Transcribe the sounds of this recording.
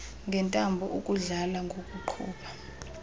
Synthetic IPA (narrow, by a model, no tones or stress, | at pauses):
ŋɡʱɛntʼambʱɔʔukʼuɮalaŋɡʱokʼuǃʰṵːɓʰa